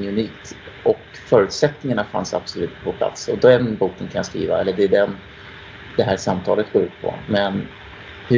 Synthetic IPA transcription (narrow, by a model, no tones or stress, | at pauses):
ɵniːkt̪ʔɔk | fœːɾʉ̟ːt̪sɛt̪nɪŋaɳafa̰nsa̰b̥sɔlʉ̟ːt̪pʰɔpʰla̰t̪sɔd̪ɛnbuːkənkʰanjaskɾḭːva̰ɛlːəɖɛɖɛn | d̪̥ɛɦæːʂamt̪ʰɑ̰ːlət̪̚ɡ̥oːɾʉ̟ːt̪pʰɔ̰mɛn | hɵ